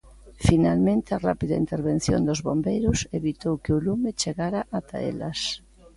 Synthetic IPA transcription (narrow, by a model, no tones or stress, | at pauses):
finalmẽnt̪ɪarapiða̰int̪eɾβen̟θjo̰nd̪ʊzβombejɾʊseβit̪owkeʊlumɪt͡ʃeɣaɾaʔat̪a̰ḛlɐ̰s